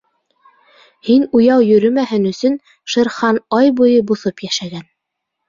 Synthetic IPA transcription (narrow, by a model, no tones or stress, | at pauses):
hinujɑwjɵ̆ɾɵmæɦɘnɵ̆sɵn | ʃɤ̆ɾχɑnɑjbujɤbuθɤpjæʃæɡæn